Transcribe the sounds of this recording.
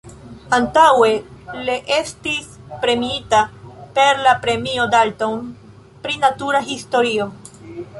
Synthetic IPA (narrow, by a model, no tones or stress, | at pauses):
antawe̞liʔe̞stis | pɾe̞miitape̞ɾlapɾe̞mio̞dalton | pɾinatuɾaɦisto̞ɾio̞